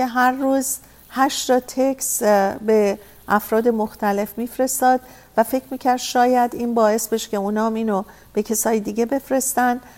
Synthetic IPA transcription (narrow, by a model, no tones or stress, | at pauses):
eɦæɾːuːz | hæʃt̪ɒt̪ʰe̞kʰsbe | ʔæfɾɒːd̪e̞moxt̪ʰæle̞fmiːfɾe̞st̪ɒːd̪̥ | væfe̞cʰɾmiːcʰæɾd̪ʃɒːjæd̪iːnbɒːe̞sbeʃcʰe̞uːnɒːmiːno | b̥e̞cʰe̞sɒːjid̪iːɟe̞be̞fɾe̞st̪ænd̪